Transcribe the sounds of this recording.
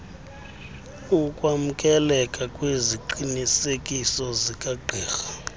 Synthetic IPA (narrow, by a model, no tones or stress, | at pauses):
ukʼwam̩kʼɛlɛkʼakʼweziǃinisekʼisɔzikʼaɡ͡ǃʱɛːxḁ